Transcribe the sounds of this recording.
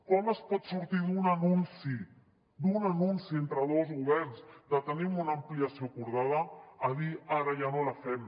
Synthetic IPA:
kɔməspɔt̪suɾt̪iðunanunsi | d̪unanunsient̪ɾaðozɣuβɛɾnzd̪at̪ənimunampliasjokuɾð̞aðaaðiaɾaʒanolafɛm

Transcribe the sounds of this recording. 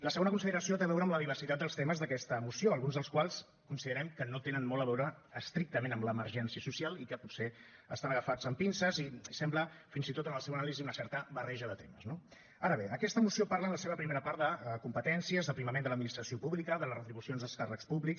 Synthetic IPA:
ləsəɣonəkunsiðəɾəsiot̪eəβɛwɾəːmləðiβ̞ərsit̪at̪̚d̪əlˠst̪eməzðəkɛst̪əmusioəlˠɣunzðəlˠskwalˠs | kunsiðəɾɛmkənot̪enənmɔlˠəβɛwɾəː | st̪ɾik̚t̪əmenəmləːməɾʒɛnsiəsusialˠikəpuse | əst̪anəɣəfad͡zəmpinsəzisɛmbləfinzit̪ot̪ənəlˠsɛwənaliziunəsɛɾt̪əβərɛʒəðət̪eməzno | aɾəβ̞eəkɛst̪əmusiopaɾlənləseβəpɾimeɾəpaɾt̪̚d̪əkumpət̪ɛnsiəzðəpɾiməmend̪ələd̪minist̪ɾəsiopuβlikəðələrət̪ɾiβusionzðəlˠskarəkspuβliks

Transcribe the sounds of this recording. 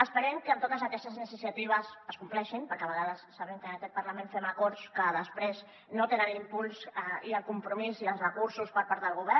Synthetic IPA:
əspəɾɛmkəːmt̪ot̪əzəkɛst̪əznisisjat̪iβ̞əsəskumplɛʃinpəɾkɛaβəɣaðəsːaβɛmkənəkɛt̪̚pəɾləmẽnfɛməkɔɾskəðəspɾez | not̪enənimpulˠsiəlˠkumpɾumiziəlˠsrəkuɾsuspəɾpaɾt̪ðəlˠɣuβɛ

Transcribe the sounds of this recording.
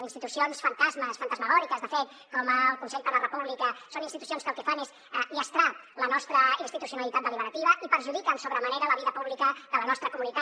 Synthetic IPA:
inst̪it̪usionsfənt̪azməsfənt̪əzməɣɔɾikəzðəfet̪ | kɔməlˠkunsɛʎd̪ələrəpuβlikəsonint̪it̪u̥sionskəlˠkɛfanez | iəst̪ɾalənɔst̪ɾəinst̪it̪usiunəlit̪at̪̚d̪əliβəɾət̪iβəʔipəɾʒuðikənsoβɾəməneɾələβiðəpuβlikəðələnɔst̪ɾəkumunit̪a

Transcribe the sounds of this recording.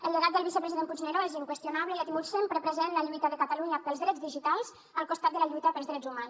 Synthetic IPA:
əlˠd̪əɣat̪̚d̪əlˠβisəpɾəziðempud͡ʒneɾoeziŋkwəst̪junaβləiət̪imulsempɾəpɾəzenləʎuit̪əðəkat̪aluɲapəlˠzðɾɛd͡zðiʒit̪alˠz | əlˠkost̪at̪̚d̪əlaʎujt̪əpəlzðɾɛd͡zumans

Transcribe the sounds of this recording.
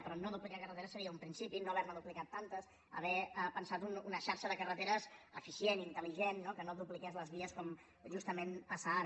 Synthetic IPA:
pɾɔnoðuplikakərət̪eɾəsːəɾiəumpɾinsipinoβɛɾməðuplikat̪ːant̪əs | ə̰β̞ɛəpənsat̪ununəʃaɾʃəðəkərət̪eɾəzə̰fisjenint̪əliʒenːokənoðuplikɛzləzβiəskɔm | ʒust̪əmenəsaa

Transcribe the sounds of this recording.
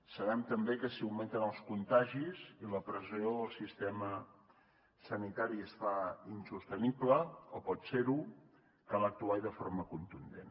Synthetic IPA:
səβ̞ɛmt̪əmbekəsiawment̪ənəlˠskunt̪aʒiziləpɾəzioðəlˠsist̪ɛmə | sənit̪aɾiəsfainsust̪ənibləopɔt̪seɾu | kalək̚t̪uajðəfo̰ɾməkunt̪und̪en

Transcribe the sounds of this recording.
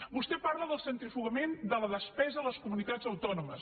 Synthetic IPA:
bust̪ɛpaɾləðəlˠsənt̪ɾifuɣəmend̪ələðəspɛzəələskumunit̪ad͡zəwt̪ɔnuməs

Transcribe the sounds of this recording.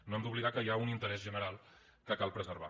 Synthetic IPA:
noɛmd̪uβliɣakəjaunint̪əɾɛzʒənəɾalˠ | kəkalˠpɾəzəɾβ̞a̰

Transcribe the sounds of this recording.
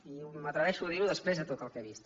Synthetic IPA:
imət̪ɾəβɛʃuəðiɾuðəspɾezðət̪ot̪əlˠkeβist̪

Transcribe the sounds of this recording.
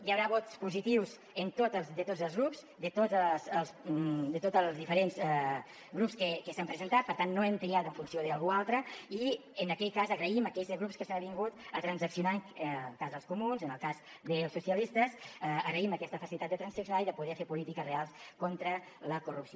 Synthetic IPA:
jəwɾaβot̪spuzit̪iwz | ənt̪ot̪əzd̪ət̪odd͡zəlˠzɣɾupz | d̪ət̪oəzəlˠsd̪ət̪ot̪əlˠzðifəɾenzɛ | ɣɾupskəkəsampɾəzənt̪at̪̚pəɾt̪anːoɛmt̪ɾiat̪ə̃ɱfunsioðəːlˠɣualˠt̪ɾəi | ənəkɛjkazəɣɾəiməkɛʎzɣɾupskəsanβiŋɡut̪ət̪ɾənzəksiunaŋəlˠkazðəlˠskumunzənəlˠkaz | d̪əlˠsːusiəlist̪əsəɣɾəiməkɛst̪əfəsilit̪at̪ət̪ɾənsəksunaiðəpuðɛfeɾpulit̪ikəzrealˠskont̪ɾə | ləkurupsio

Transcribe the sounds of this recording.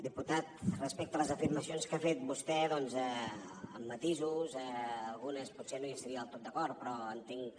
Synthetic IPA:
d̪iput̪at̪̚rəspɛk̚t̪ələzəfiɾməsionskafet̪̚bust̪ɛðɔnzɛəmːət̪izuzɛːlˠɣunəspusenoəst̪əɾiəəlˠt̪ot̪̚d̪əkɔɾt̪̚pɾɔənt̪iŋ

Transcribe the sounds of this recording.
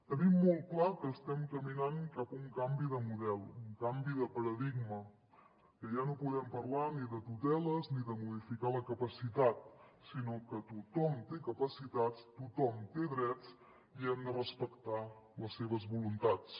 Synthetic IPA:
t̪ənimːolˠt̪̚klakəːst̪ɛmkəminaŋkapuŋkambiðəmuðɛlˠuŋkambiðəpəɾəðiɡmə | kəʒanopuðɛmpərlaniðət̪ut̪ɛləzniðəmuðifikaləkəpəsit̪at̪̚sinokət̪ut̪ɔmt̪ekəpəsit̪ast̪ut̪ɔmt̪eðɾɛt͡s | iɛmd̪ərəspəkt̪aləsːeβ̞əzβulunt̪at͡s

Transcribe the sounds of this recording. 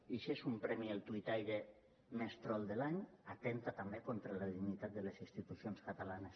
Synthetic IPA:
iʃesumpɾɛmielˠt̪uit̪ajɾe | mest̪ɾɔlˠd̪elaɲat̪ɛnt̪at̪ambekont̪ɾelaðiɡnit̪at̪̚d̪elesinst̪it̪usionskat̪alanes

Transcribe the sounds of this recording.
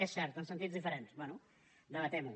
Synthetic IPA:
ɛsɛɾt̪uɐ̃w̃sẽnt̪iðuʒðifɨɾẽnt̪ɨ̥ʃbẽnu | d̪ɐɐt̪ɛmũ

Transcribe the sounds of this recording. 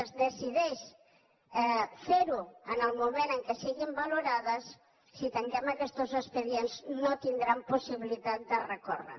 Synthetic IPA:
zðesiðejs | feɾʊanalmoβeɾaŋkesiɣimbaloɾaðɐsː | it̪eŋkemakest̪osespeðjenznõt̪ind̪ɾamposiβiliðaðd̪erekorḛɾ

